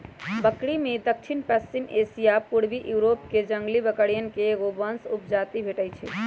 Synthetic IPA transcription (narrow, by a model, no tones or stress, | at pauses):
bəkɽimed̪ək̚t͡ʃʰinpəsimʔesijapuɽbiʔjuɾopked͡ʒəŋɡlibəkəɽijənkeɡobənsup̚d͡ʒat̪ibʱeʈəjt͡ʃʰɛ̰